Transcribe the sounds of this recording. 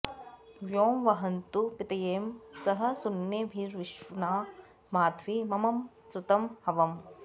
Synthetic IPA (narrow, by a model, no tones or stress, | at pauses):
ʋjoːmʋɐɦɐnt̪upɪt̪ɐjeːmsɐɦɐ̆sʊnjebʱiɾʋɪʃʋunaː | maːt̪ʰʋimɐmɐm | sut̪ɐmhɐʋɐm